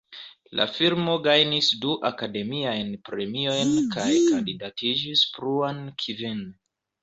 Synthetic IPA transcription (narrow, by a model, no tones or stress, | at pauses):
lʔa̰fiɾmo̞ɡajnisduʔakade̞miajnpɾe̞mio̞jnkajkandidatid͡ʒispɾuankʰivin